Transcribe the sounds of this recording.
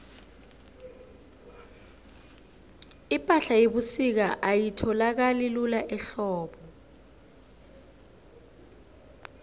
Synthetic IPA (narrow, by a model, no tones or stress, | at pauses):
ipʼaɬajeɓusik̬aʔajitʰɔlak̬alilulaʔɛɬɔːɓɔ